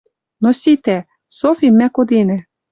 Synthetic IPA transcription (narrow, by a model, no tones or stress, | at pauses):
nosʲit̪ɛ | sofʲimɛkod̪ɪnɛ